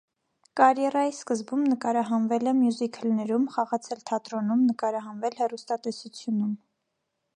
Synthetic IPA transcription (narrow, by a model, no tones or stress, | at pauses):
kɑɾjɛrɑjiskəzbumnəkɑɾɑɦɑnvɛlɛmjuzikʰəlnɛɾumχɑʁɑt͡sʰɛlt̪ʰɑt̪ɾɔnumnəkɑɾɑɦɑnvɛlhɛrust̪ɑt̪ɛsut͡sʰjunum